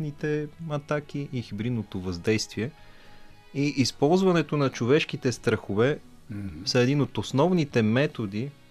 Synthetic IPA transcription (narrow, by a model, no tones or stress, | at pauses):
nit̪ɛɐt̪ak̟iʔixibɾid̪not̪ovɐzd̪ɛjst̪viɛ | iʔispɔlˠzvɐnɛt̪onɐt͡ʃovɛʃkit̪ɛst̪ɾɐxovɛ | sɐɛd̪inot̪osnɔvnit̪ɛmɛt̪od̪i